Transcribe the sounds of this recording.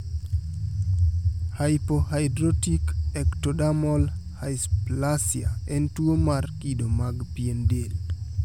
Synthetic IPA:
hajpohajdɾotikɛktodamɔlhajsplasia̰ɛntuomarkidomaɡpiendel

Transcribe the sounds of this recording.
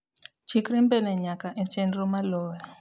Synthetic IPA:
t͡ʃʰikɾimbɛnɛɲakaʔet͡ʃɛnɾɔmalɔːja

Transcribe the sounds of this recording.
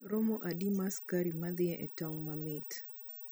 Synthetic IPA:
ɾomoʔadimaskaɾimad̪iaʔɛtɔŋmamit

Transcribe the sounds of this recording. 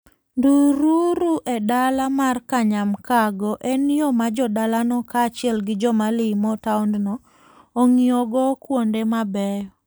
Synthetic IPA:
nduɾuɾuʔedalamarkaɲamkaɡɔʔenijɔmad͡ʒɔdalanɔkaːt͡ʃɪɛlɡɪd͡ʒɔmalɪmɔtaundnɔ | oŋioɡɔkwondemabɛjɔ

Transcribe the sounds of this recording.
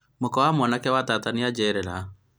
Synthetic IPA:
mokɔwamɔnakɛwataːtaniad͡ʒɛɾɛɾa

